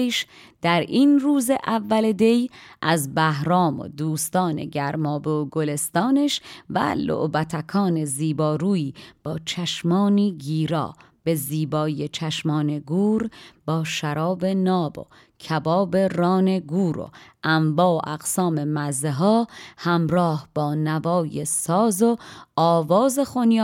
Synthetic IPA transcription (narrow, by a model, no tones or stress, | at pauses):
ʃ | d̪̥æɾʔiːnruːzeʔævːæled̪e̞jʔæzbæɦɾɒːmo̰d̪uːst̪ɒːne̞̰ɟæɾmɒːbeoɡole̞st̪ɒːneʃvæ̰lo̰ʔbæt̪ʰækʰɒːne̞ziːbɒːɾuːjiːb̥ɒːt͡ʃʰæʃmɒːniːɡiːɾɒ̰ː | b̥e̞ziːbɒːjet͡ʃʰæʃmɒːne̞ɡuːɾb̥ɒːʃæɾɒːbe̞nɒːbo̰ | cʰæbɒːbe̞ɾɒːne̞ɡuːɾo̰ʔæmbɒːʔæɣ̥sɒːme̞mæzeɦɒːhæmɾɒːhb̥ɒːnævɒːjesɒːzoɒːvɒːze̞xonjː